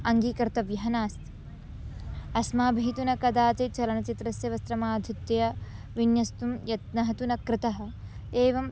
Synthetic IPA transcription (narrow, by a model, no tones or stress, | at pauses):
ɐŋɡiːkɐɾt̪ɐʋjɐɦɐnaːst̪ | ɐsmaːbʱiːt̪unɐkɐd̪aːt̪et͡ʃɐlɐnɐt͡ʃit̪ɾɐsjɐʋɐst̪ɾɐmaːd̪ʱut̪jɐjɐ | ʋinjɐst̪umjɐt̪nɐɦɐt̪unɐkɾɪt̪ɐɦɐ̆ | eːʋɐm